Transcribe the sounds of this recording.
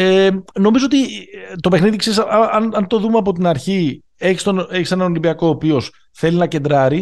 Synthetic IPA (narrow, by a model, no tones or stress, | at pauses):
eno̞mizoot̪it̪o̞pe̞xniðikseɾisɐɐnɐnt̪o̞ðumeɐp̬o̞t̪inɐɾçi | e̞çi̥st̪oneçise̞nɐno̞limbiɐko̞ːpio̞s | θe̞linɐce̞nd̪ɾɐɾi